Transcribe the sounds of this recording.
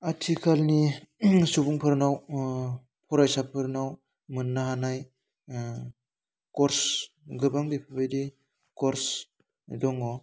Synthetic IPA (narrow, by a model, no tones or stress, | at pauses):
atʰikʰalnisubuŋpʰɯɾnaw | pʰɔɾajsapʰɯɾnaw | mɯnːahanaj | kɔɾs | ɡɯɾbaŋdepʰabajdi | kɔɾs | dɔŋɔ